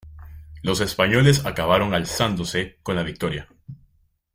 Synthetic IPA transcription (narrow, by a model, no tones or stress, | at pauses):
lo̞se̞spaɲo̞le̞sakaβ̞aɾo̞ŋalsand̪ose̞ko̞nlaβik̚t̪o̞ɾja